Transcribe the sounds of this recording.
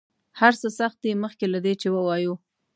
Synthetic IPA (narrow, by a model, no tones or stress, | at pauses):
haɾsəsaxt̪̚d̪iməxkelad̪et͡ʃewəwɑju